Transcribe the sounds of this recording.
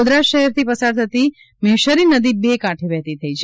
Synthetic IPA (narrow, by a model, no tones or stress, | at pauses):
d̪ɾaʃəɦɛɾt̪ʰipəsaɾt̪ʰət̪i | meʃəɾinəd̪ibekaʈʰibɛɦt̪it̪ʰəit͡ʃʰe